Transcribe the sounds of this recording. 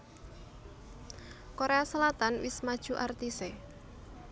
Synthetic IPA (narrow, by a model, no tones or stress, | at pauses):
koɾeasəlat̪anwɪsmad̥ʒ̥uʔart̪ise